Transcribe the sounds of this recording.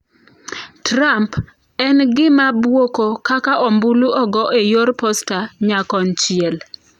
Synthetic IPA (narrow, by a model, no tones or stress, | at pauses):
tɾamp | ɛnɡɪmabwokokakaʔɔmbuluʔɔɡɔʔejoɾpɔstaɲakɔnt͡ʃɪɛl